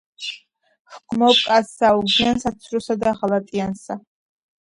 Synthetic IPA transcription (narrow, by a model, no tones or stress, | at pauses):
χkʷʰmɔkʼasawuɡiansat͡sʰrusad̪aʁalat̪ʼijansa